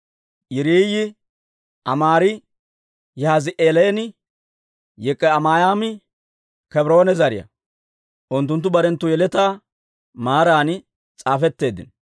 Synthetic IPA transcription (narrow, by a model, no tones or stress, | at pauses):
jɪɾiːjɪ | ʔɐmaːɾɪ | jɛhazɪʔeːleːnɪ | jɛkʼːɛɐmaːjaːmɪ | kɛbɪɾo̞ːnɛzɐɾɪjɐ̰ | ʔʊnt̪̬ːʊnt̪̬ːʊbɐɾɛnt̪ːʊjɛlɛt̪aː | maːɾaːnɪ | t͡sʼaːfɛt̪ːe̞ːd̪ɪ̰n